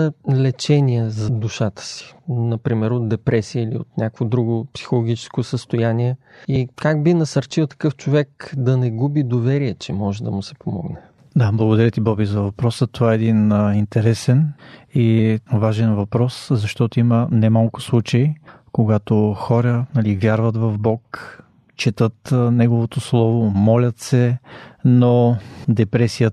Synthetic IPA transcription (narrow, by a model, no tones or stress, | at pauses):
lɛt͡ʃɛniəzɐd̪ʊʃat̪ə̥si̥nɐpɾimɛɾot̪̚d̪ɛpɾʔɛsiəilḭo̰t̪nʲakvod̪ɾuɡʊpsi̥xolˠoɡʲit͡ʃɛ̥skosəst̪ojaniɛikaɡ̚binɐsəɾt͡ʃilˠt̪ɐ̥kɤft͡ʃovɛkd̪ɐnɛɡubid̪ovɛɾiɛt͡ʃɛmɔʒɛd̪ɐmʊsɛ̥pomɔ̰ɡnɛ | d̪ablˠɐɡod̪ɐɾʲət̪ibɔbizɐvɐpɾɔsət̪ovaɛɛd̪inint̪ɛɾɛsɛnivaʒɛnvɐpɾɔszɐʃt̪ɔt̪oimənɛmalˠkʊ̥slˠut͡ʃəi | koɡat̪oxɔɾənɐlivjaɾvət̪vɐvbɔk | t͡ʃɛt̪ɤt̪nɛɡovot̪oslˠɔvomɔlʲɐt̪sɛnod̪ɛpɾɛsijə